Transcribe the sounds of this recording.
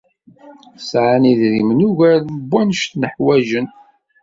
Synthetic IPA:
sʕaniðɾimnuʝæðəbːænʃt̪nəħwæʒən

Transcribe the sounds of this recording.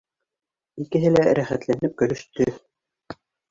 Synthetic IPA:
ikɘ̆ɦɘlæɾæχæt̪lænɘp̚kɵ̆lɵ̆ʃt̪ɵ

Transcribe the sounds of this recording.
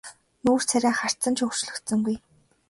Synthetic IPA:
nuːr̥t͡sʰæɾʲæːχar̥t͡sə̆nt͡ɕʰʊr̥t͡ɕɮɵ̆kt̪sə̆ŋɡuj

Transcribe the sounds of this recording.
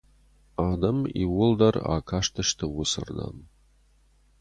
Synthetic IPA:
aːd̪ɐmḭwʊld̪ɐra̰kʰaʂt̪ʰəʂt̪ʰɐwʊsɨ̰rd̪a̰n

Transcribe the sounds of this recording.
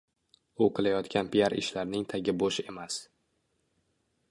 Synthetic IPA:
oqʰɨlajɒt̪kʲanpʰijaɾɪ̰ʃlaɾnɪŋt̪ʰaɡʲɪboʃe̞mas

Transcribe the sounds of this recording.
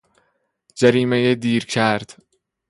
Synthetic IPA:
d͡ʒæɾiːmejed̪iːɾcʰæɾd̪̥

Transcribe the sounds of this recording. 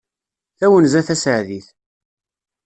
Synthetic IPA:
θæwənzæθæsəʕðiθ

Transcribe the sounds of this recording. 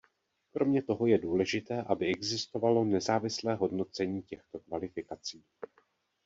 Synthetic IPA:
kɾo̞mɲɛt̪o̞ɦo̞jɛduːlɛʒɪt̪ɛːʔabɪɛɡzɪst̪ovalo̞nɛzaːvɪslɛːɦo̞dno̞t͡sɛɲiːcɛxt̪o̞kvalɪfɪkat͡siː

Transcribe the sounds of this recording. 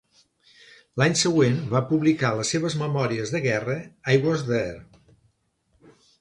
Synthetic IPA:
laɲsəɣwenbapuβlikaləsːeβ̞əzməmɔɾiəzðəɣɛrəajɣwəzðəɛɾ

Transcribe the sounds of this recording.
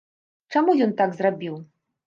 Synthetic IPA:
t͡ʂamujɔnt̪aɡzrabʲiw

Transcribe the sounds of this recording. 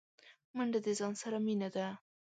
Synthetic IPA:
maɳɖad̪ezɑnsaɾaminad̪a

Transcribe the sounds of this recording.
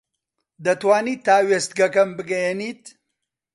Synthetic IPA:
d̪ɐt̪waːniːt̪aːweːst̪̚ɡɐkɐmbɨɡɐjeniːt̪

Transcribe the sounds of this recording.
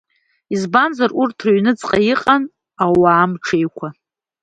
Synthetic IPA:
izbanzarurtʰraɥnɨt͡sʼqʼajiqʼan | awaːmʈ͡ʂʰejkʷʰa

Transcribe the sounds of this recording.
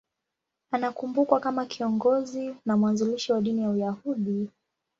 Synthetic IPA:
anakumbukwakamakʰiɔŋɡɔzinamuwanzuliʃiwaɗinijaujahuɗi

